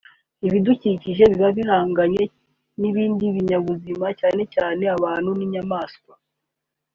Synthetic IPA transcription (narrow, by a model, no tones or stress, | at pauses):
iβiduciciʒe̞βiβaβiɦaːŋɡaɲe̞ | niβiːndiβiɲaβuzimacaːne̞caːne̞aβaːn̥huniɲamaːskwa